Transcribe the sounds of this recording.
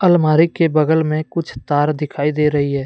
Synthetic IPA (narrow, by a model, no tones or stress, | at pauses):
ɐlmaːɾikebəɡəlmẽkʊt͡ʃʰt̪aːɾd̪ɪkʰaːid̪eːɾɐɦiɦɛː